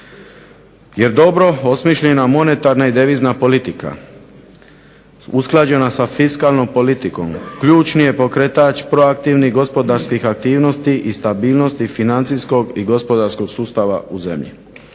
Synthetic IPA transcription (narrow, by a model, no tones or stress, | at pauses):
je̞ɾd̪o̞bɾo̞o̞smiʃʎenamo̞ne̞t̪aɾnaid̪eʋiːznapo̞lit̪ika̰ | usklˠad͡ʑe̞nasafiskaːlnompo̞lit̪iko̞̰mkʎuːt͡ʃnije̞po̞kɾet̪at͡ʃpɾo̞ak̚t̪iʋniɡo̞spo̞d̪aɾskixak̚t̪iːʋno̞st̪iʔist̪abiːlno̞st̪ifinant̪sijsko̞ɡiɡo̞spo̞d̪aɾsko̞ɡsuːst̪aʋa̰uze̞̰mʎḭ